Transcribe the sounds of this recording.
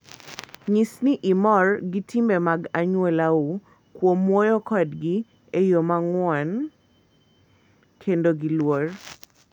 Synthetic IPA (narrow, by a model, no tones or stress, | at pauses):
ɲisniʔɪmɔrɡitʰimbemaɡaɲwelau | kwomwojokɔdɡi | ejomaŋwɔn | kʰendoɡilwor